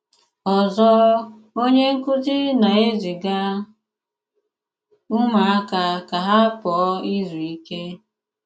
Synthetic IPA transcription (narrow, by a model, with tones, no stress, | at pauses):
ɔ˨zɔ˦ | o˦ɲe˦ŋ̩˦kʊ˦tɪ˦na˨e˦zi˨ɡa˦ | ʊ˦ma˨a˦ka˨ka˨ɦa˦pɔ˨˦i˦zu˨i˦ke˦